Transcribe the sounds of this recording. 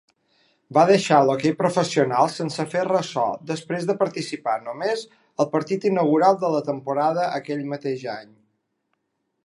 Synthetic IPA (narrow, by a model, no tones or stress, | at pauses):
baðəʃalokejpɾufəsiunalˠsənsəferəsɔ̰d̪əspɾezðəpəɾt̪isipanumez | əlˠpəɾt̪it̪inəɣ̞uɾalˠd̪ələt̪əmpuɾað̞əʔəkɛʎmət̪eʒaɲ